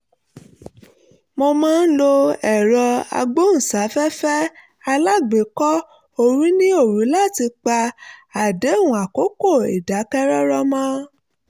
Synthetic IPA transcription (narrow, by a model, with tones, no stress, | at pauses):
mo˧mãː˦n̩˦lo˧ɛ˨ɾɔ˧a̰˧ɡ͡bo˦n̩˨sa˨˦fɛ˦fɛ˦ | a˧la˦ɡ͡be˨˦kɔ˦ | o˦ɾĩ˦nĩ˦o˦˨ɾu˨˦la˦˨ti˧k͡pa˧a˨de˨˦˨wũ˨a˨ko˨˦ko˦˨ḭ˨da˨˦kɛ˦ɾɔ˦ɾɔ˦mã˦